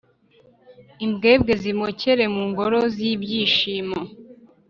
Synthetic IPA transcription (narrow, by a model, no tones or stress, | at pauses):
imbɡe̞ːb̚ɡe̞zimo̞ce̞ɾe̞muːŋɡo̞ɾoziːbɟiːʃiːmo